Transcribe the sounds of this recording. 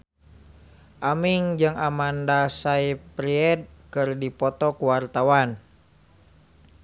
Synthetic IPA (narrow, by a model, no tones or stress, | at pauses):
ʔamiŋd͡ʒɨŋamandasaipɾiɛd̚kɨrdipɔt̪ɔkuwart̪awan